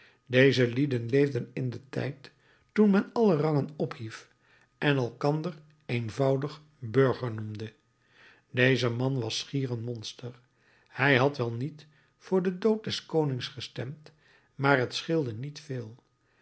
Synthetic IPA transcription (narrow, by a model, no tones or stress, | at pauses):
dejzəlidənlejvdənɪndətɛ̰jtː | unmɛnɑlərɑŋənɔphif | ʔɛnɛlˠkɑndər | ejnvɑwdəχ | bøɹχəɹnumdə | dejzəmɑnʋɑsχiːrənmɔnstəɹ | hɛjɦɑtʋɛlˠnit | fʊːɹdədowt̚dɛskownɪŋsχəstɛmt | maːrɦətsχɪlˠdənitfɪːlˠ